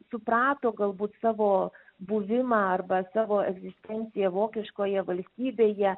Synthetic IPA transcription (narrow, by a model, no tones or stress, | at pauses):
sʊpɾɑːt̪oːɡɐlˠbuːt̪sɑːʋoːbuʋʲɪmɑɐrbɐsɑːʋoːʔɛɡzʲɪsʲt̪ʲɛnʲt̪sʲɪjɛʋoːkʲɪʃkoːjɛʋɐlʲsʲt̪ʲiːbʲeːjɛ